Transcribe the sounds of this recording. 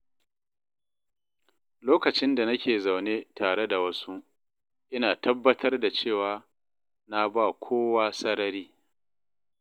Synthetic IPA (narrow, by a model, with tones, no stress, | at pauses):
loː˦kɐ˨t͡ʃɪ˦nda˨nɐ˦kʲeː˨za˨wneː˦tʰaː˨ɽe˦da˨wɐ˦su˦ | ʔɪ˦naː˨tɐ˦bːɐ˦tʰɐ˦rda˨t͡ʃeː˦˨waː˨ | na˦ba˦˨kʷʰoː˦waː˦sɐ˦ɽɐ˦ɾiː˦